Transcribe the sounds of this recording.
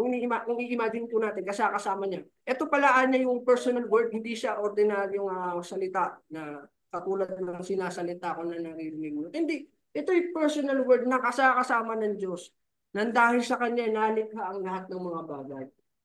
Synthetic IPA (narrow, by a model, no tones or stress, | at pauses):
kʊŋnimaʔʊŋʔiʔɪmaːɡɪnpʊnaːt̪ɪnkɐsakɐsaːmɐɲa | ʔɛt̪o̞pɐlɐʔaːnːɐjʊŋpɛɹsonɐlwɛɹd̪̚hɪnd̪iʃaʔoɾd̪ɪnaːɾjoŋasɐlɪt̪anɐ | kɐt̪uːlɐd̪̚nɐŋsɪnaːsɐlɪt̪aɐko̞nɐnɐɾiɾɪnɪɡnot̪hɪnd̪i | ʔɛt̪o̞jpɛɹsonɐlwɛɹd̪̚nɐkɐsakɐsaːmɐnɐŋd͡ʒo̞s | nɐnd̪aːhɪlsɐkɐɲanaːlɪk̚haʔɐŋlɐɦat̪̚nɐŋmɐŋabaːɡɐj